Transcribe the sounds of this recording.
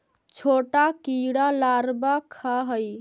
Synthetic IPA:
t͡ʃʰoʈakiɽalaɾbakʰaɦəj

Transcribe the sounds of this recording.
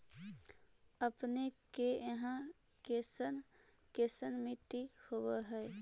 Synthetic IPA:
əpnekeəɦãkesənkesənmɪʈ̪ihoweɦɛe

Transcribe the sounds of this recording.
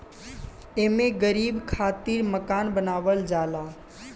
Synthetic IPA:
emẽɡəɾiːbkʰaːt̪iːɾməkaːnbənaːʋəld͡ʒaːlaː

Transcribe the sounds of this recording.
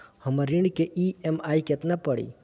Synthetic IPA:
həmaɾiɳkeʔiemaːiket̪napəɽḭ

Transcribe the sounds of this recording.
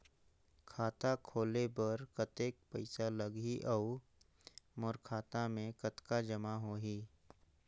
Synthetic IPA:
kʰaːt̪akʰoːlebɐɾkət̪eːk̚pəɪsaləɡɦiʔau | mʊɾkʰaːt̪amẽkət̪kad͡ʒəmaɦoːɦi

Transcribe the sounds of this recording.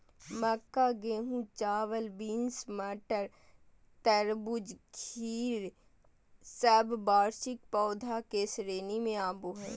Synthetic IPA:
məkːaɡeːɦũt͡ʃaːʋəlbiːnsməʈəɾ | t̪əɾbʊd͡ʒkʰiːɾ | səbbaːɾʃɪk̚pɔːd̪ʱakesɾeːnimẽaːboɦɛ̃ː

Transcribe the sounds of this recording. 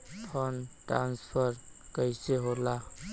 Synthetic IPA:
tʰɔnʈɾa̰nspʰəɾkəjseɦola

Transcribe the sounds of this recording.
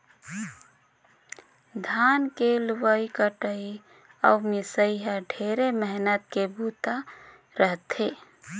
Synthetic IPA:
d̪ʱankeluwəikəʈəi | ə̰wmesəiɦəɖʱeɾeməɦnət̪kebut̪a | ɾəɦt̪e

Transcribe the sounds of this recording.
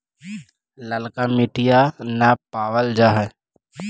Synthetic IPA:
ləlkamɪʈijanapaːʋəld͡ʒaɦɛ

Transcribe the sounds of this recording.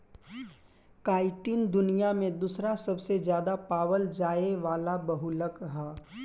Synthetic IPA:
kaːɪʈiːnd̪ʊnijamẽd̪uːsɾasɐbsed͡ʒjaːd̪apaːwəld͡ʒaːeʋaːlabɐɦʊləkɦɛː

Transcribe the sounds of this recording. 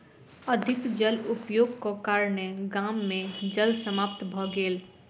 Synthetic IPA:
əd̪ʱɪkd͡ʒəlʊpjoːɡkokaːɾneɡaːmːẽd͡ʒəlsəmaːp̚t̪bʱɔɡeːl

